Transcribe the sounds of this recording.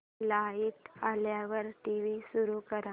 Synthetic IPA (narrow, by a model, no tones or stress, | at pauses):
laiʈ̪aljaʋəɾʈiʋisuɾukəɾa